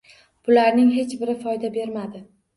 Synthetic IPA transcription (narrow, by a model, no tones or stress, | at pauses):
b̥ʊlaɾnɪŋɦe̞t͡ʃbɪɾɪfɒjd̪abe̞ɾmad̪ɪ